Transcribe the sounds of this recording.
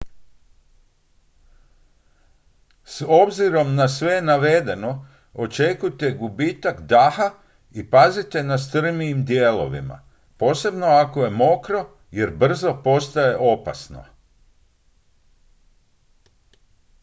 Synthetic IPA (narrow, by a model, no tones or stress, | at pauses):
so̞bziɾo̞mnasʋenaʋe̞d̪e̞no̞ | ot͡ʃe̞kujt̪eɡubit̪akd̪axa | ipazit̪e̞nast̪r̩miːmd̪jeːlo̞̰ʋḭma̰ | po̞ːse̞bno̞ako̞je̞mo̞kɾo̞ | je̞ɾbr̩zo̞po̞st̪aje̞ʔo̞pa̰sno̞̰